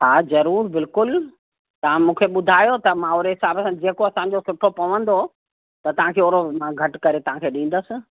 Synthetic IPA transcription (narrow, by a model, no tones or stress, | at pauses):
ɦaːzɐɾuːɾbɪlkʊl | t̪ɐʋ̤ãmũːkʰeɓʊd̪ʱaːjot̪ɐmãoːɾeɦɪsaːbəsãd͡ʑeːkoɐsãːɲ̆d͡ʑosʊʈʰopɐʋə̃nd̪o | t̪ɐt̪ɐʋ̤ãkʰeːoːɾomãɡʱɐʈkɐɾet̪ɐʋ̤ãkʰeːɗĩːn̆d̪əsɪ̆